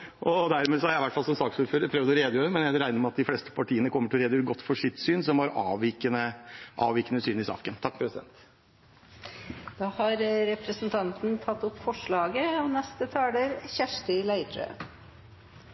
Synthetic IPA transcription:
ʔɔd̪æɾmeːsɔæɾæɪʋæʈːfɑlsɔmsɑːksuːɾføːɾəpʰɾøːʋd̪ɔɾeːd̪əjøːɾəɾmɛnjæɪɾæɪəɾmɛɑt̪̚d̪ɪfleːst̪ə̥pʰɑʈʰiːənəkʰɔmːəʈɪlɾeːd̪əjøːɾəɡɔt̪ːfɔʂɪt̪syːnsɔmhɑɾɑːʋiːkənəʔɑ̰ːʋiːkənəsyːnɪsɑ̰ːkənt̪ʰɑk̚ːpʰɾɛsɪd̪ɛ̰nt̪ | d̪̥ɑːhɑɾɾɛpɾəsnt̪ʰɑnt̪n̩t̪ʰɑt̪ːɔpːfɔʂɭɑːɡəɔnɛst̪ət̪ʰɑːləɾçæʂʈɪlæɪd̪ɾə̰

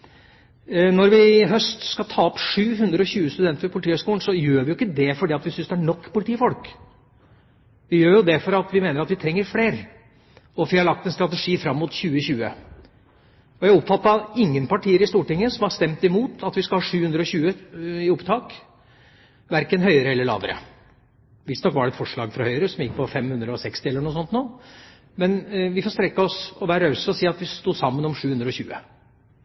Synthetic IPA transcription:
nɔɾʋɪɦœst̪skɑlt̪ʰɑːɔpʂʉːɦʉnd̪ɾəɔɕʉːəst̪ʉd̪ɛnt̪əfɔpʰʊlɪt̪iːhœʏskuːlnsɔjøːʋɪjʊɪkːəd̪ɛfɔɖiːɑt̪ʋɪsʏnsd̪ɛæɳɔkːpʊlɪt̪ʰiːfɔlk | ʋɪjøːɾjʊd̪ɛfɔɾɑt̪ʋɪmeːnəɾɑt̪ʋɪt̪ʰɾɛŋːəɾfleːɾ | ɔʋɪhɑɭɑk̚t̪ɛnst̪ɾɑt̪əʂiːfɾɑmːʊt̪ɕʉːəɕʉːə̰ | ɔjæɪɔpːfɑt̪ːɑɪŋːənpɑʈiːəɾɪst̪uːʈɪŋːəsɔmɑst̪ɛmt̪ɪmuːt̪ʰɑt̪ʋɪskɑlhɑːʂʉːhʉnd̪ɾəɔɕʉːəɪʊpt̪ʰɑːk | ʋæɾkənɦœʏəɾəɛlːəɭɑ̰ːʋəɾə̰ | ʋɪsd̪nɔkːʋɑɾɖɛt̪fɔʂɭɑːɡfɾɑhœʏəɾəsɔmjɪk̚ːpʰɔfɛmhʉnd̪ɾəɔsɛkst̪ɪɛlːəɳuːsɔnt̪noː | mɛnʋɪfɔst̪ɾɛkːəɔsɔʋæːɾɾœsəɔsiːɑt̪ʋɪst̪uːsɑmːənɔmʂʉːʉnd̪ɾəɔçʉ̰ːə̰

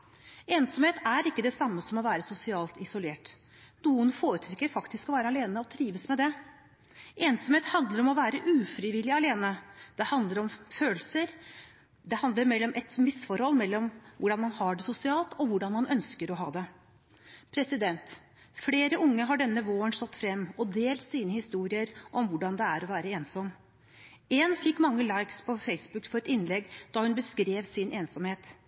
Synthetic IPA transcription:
eːnsɔmheːt̪æɾɪkːəd̪ɛsɑmːəsɔmɔʋæːɾəsʊsɪɑːlt̪ɪsʊleːʈ | nuːənfoːɾət̪ʰɾɛkːəɾfɑkt̪ɪskɔʋæːɾəɑleːnəɔt̪ʰɾiːʋəsmɛd̪ɛ | ʔeːnsɔmheːt̪hɑnd̪ləɾɔmɔʋæːɾəʔʉːfɾɪʋɪlːɪɑleːnəd̪̥ɛhɑnd̪ləɾɔmføːləsəɾ | d̪ɛhɑnd̪əɾmɛlːɔmʔɛt̪mɪsfɔɾhɔlːmɛlːɔmʋʊɖɑnmɑnhɑːɖɛsʊsɪɑːlt̪ɔʋʊɖɑnmɑnœnskəɾɔɦɑːd̪ɛ | pʰɾɛsɪd̪ɛnt̪ | fleːɾəʊŋːəɦɑɖɛnːəʋoːənʂɔt̪ːfɾɛmːɔd̪eːlt̪siːnəhɪst̪uːɾɪəɾʔɔmʋʊɖɑnd̪ɛæɾɔʋæːɾəeːnsɔmː | eːnfɪkːmɑŋːəlɑɪkspʰɔfeɪsbʉkfɔɾɛt̪ɪnːlɛɡːd̪ɑhʉnbəskɾeːʋsɪnʔeːnsɔmheːt̪

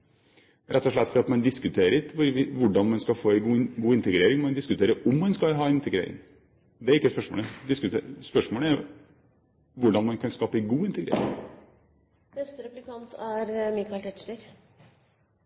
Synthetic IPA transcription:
ɾʔɛt̪ːɔʂɭɛt̪ːfɔɾɑt̪mɑnd̪ɪskʉt̪ʰeːɾɪt̪ʋʊɾʋɪʋʊɖɑnmɑnskɑfoːɛɪɡuːɪnt̪əɡɾeːɾɪŋmɑnd̪ɪskʉt̪ʰeːɾəɾʊmːɑnskɑlɦɑːɛnɪnt̪əɡɾḛːɾɪ̰ŋ | d̪ɛæɾɪkːəspœʂmo̰ːləd̪ɪskʉt̪espœʂmoːləæɾ | ʋʊɖɑnmɑnkʰɑnskɑːpəɛɡuːɪnt̪əɡɾḛːɾɪ̰ŋ | b̥ɛst̪əɾɛplɪkɑnt̪ʰæɾmɪkɑlʰɛt͡ʃləɾ

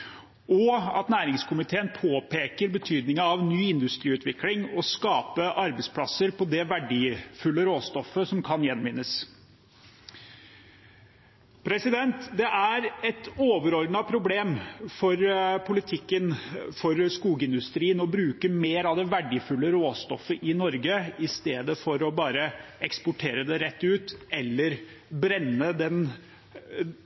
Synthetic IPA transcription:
ɔɑ̰t̪næːɾɪŋskʰʊmɪt̪ʰeːənpʰoːpʰeːkəɾbət̪ʰyːd̪nɪŋəɑʋnyːɪnd̪ʉst̪ɾiːʉːt̪ʰʋɪklɪŋɔskɑːpəʔɑɾbəspʰlɑsəɾpʰɔd̪ɛʋæɖiːfʉlːəɾoːst̪ɔfːəsɔmkʰɑnjɛnːmʋɪnːəs | pʰɾɛsɪd̪ɛnt̪d̪ɛʔæɾɛt̪oːʋəɾɔɾd̪n̩ɑpʰɾʊbleːmfɔɾpʰʊlɪt̪ʰɪkːənfɔɾskuːɡəɪnd̪ʉst̪ɾiːənɔbɾʉːkəmeːɾɑʋd̪ɛʋæɖːɪfʉlːəɾoːst̪ɔ̰fːəʔɪnɔɾɡəɪst̪eːd̪əfɔɾɔbɑːɾəɛkspʊʈʰeːɾəd̪ɛɾɛt̪ːʉːt̪ɛlːəɾ | bɾɛnːəd̪ɛn

